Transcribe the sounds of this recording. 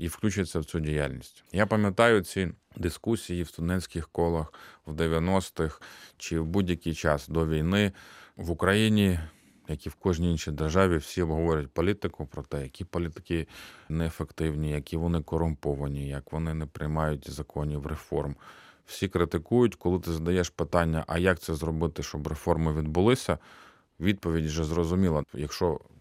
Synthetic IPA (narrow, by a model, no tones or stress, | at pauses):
iwklʲut͡ʃɪjt͡sʲːɐwt͡sʲudʲija̰lʲnʲisʲtʲjapɐmʲjɐt̪ɑjʊt͡sʲid̪ɪskusʲijiwst̪ʊd̪ɛsʲkʲɪxkɔlˠɐxwd̪eʋʲjɐnɔst̪ɪxt͡ʃɪwbudʲjɐkʲijt͡ʃɑsd̪ɔʋʲijnɪʋʊkɾɐjinʲi | jɐkʲiwkɔʒnʲiinʃijd̪erʒɑʋʲiwsʲiɔbɦɔʋɔɾʲɐt̚ʲpɔlʲit̪ɪkʊpɾɔt̪ɛjɐkʲipɔlʲit̪ɪ̥kɪnɛːfekt̪ɪwnʲijɐkʲiʋɔnɪkɔɾʊmpɔʋɐnʲijɐkʋɔnɪnɛpɾɪjmɑjʊt̚ʲzɐkʰɔnʲiwɾefɔ̰rmwsʲikɾɪt̪ɪkujʊtʲkɔlˠɪt̪ɪzɐd̪ɐjɛʃpɪt̪ɑnʲːɐ̰ʔɐjɐk̚t̪sɛzɾɔbɪt̪ɪʃt͡ʃɔbrefɔrmɪʋʲid̪bʊlˠɪsʲɐ | ʋʲid̪̚pɔʋʲidʲwʒɛzrɔzʊmʲilˠɐjɐkʃɔ